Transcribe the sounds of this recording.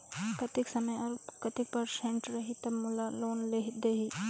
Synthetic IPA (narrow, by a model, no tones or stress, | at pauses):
kɐt̪ɪksɐməjɔɾkɐt̪ɪk̚pɐɾsẽɳʈɾɐɦit̪ɐbmʊlaloːnleɦid̪eɦi